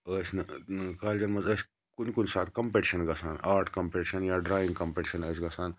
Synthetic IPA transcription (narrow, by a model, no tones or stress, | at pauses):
əsnɐkaːld͡ʒɐmɐzəːs | kʊnkunsaːt̪kɐmpeʈiʃɐnɡɐsaːnaːɾʈkɐmpeʈiʃɐnjaːɖɾaːjĩŋɡkɐmpeːʈiʃɐnəːsɡɐsaːn